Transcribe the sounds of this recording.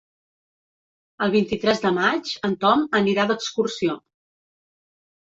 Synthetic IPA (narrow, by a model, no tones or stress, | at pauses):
əlˠβint̪it̪ɾɛzðəmad͡ʒənt̪ɔməniɾad̪əkskursio